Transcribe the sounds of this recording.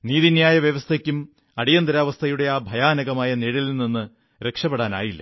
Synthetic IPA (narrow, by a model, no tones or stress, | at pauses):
niːðinjaːjɐʋjɐʋɐst̪ʰɐkʲːum | ɐɽijɐnd̪ɐɾaːʋɐst̪ʰɐjuɽe̞aːbʱɐjaːnɐɣɐmaːjɐniɻilninːɨ | ɾe̞kʂɐpːeɽaːna̰ːjilːɐ̰